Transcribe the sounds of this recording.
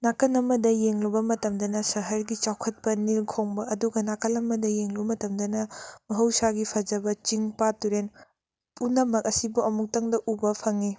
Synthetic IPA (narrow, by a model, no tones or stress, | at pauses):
nakɐnɐmɐdɐjeŋlubɐmɐtɐmdɐnɐsɐɦɐɾɡit͡ʃawkʰɐt̚pɐnilkʰoŋbɐɐduɡɐnakɐlɐmːɐdɐjeŋlubɐmɐtɐmdɐnɐmɐɦɐwsaɡipʰɐd͡ʒɐbɐt͡ʃiŋpatuɾen | punːɐmɐkɐsibuɐmuk̚tɐŋdɐʔubɐpʰɐŋi